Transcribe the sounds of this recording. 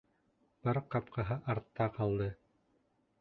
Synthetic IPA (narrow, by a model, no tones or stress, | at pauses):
b̥ɑɾqɑpqɑɦɤʔɑɾt̪ːɑqɑlˠd̪ɤ